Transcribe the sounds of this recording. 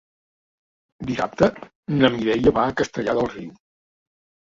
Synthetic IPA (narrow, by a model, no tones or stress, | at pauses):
d̪isa̰p̚t̪ə | nəmiðɛʎəβakəst̪əʎaðəlˠriw